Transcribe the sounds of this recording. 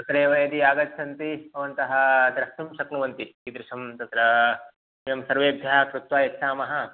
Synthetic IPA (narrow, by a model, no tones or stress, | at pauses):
t̪ɐt̪ɾeːʋɐjɐd̪iaːɡɐt̪sɐnt̪iɐʋɐnt̪ɐɦɐ̆t̪ɾɐkt̪imʃɐknuʋɐnt̪ikid̪ɾɪʂɐmt̪ɐt̪ːɾɐ | jɐmsɐɾʋeːbʱjɐɐkɾut̪ʋaːjɐkʃʰaːmɐɦɐ̆